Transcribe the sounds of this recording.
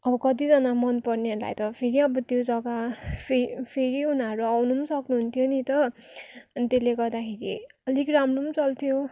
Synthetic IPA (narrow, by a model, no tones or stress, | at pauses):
ʌbʌkʌt̪̬id͡zʌnamʌnpʌrneʌɾla̰jt̪ʌpʰeɾiʌbʌt̪jod͡zʌɡapʰepʰeɾiunaɾuawnumsʌknuɦunt̪ʰijonit̪ʌ | ʌnit̪eleɡʌrd̪akʰeɾḭʌlikramromt͡sʌlt̪ʰijo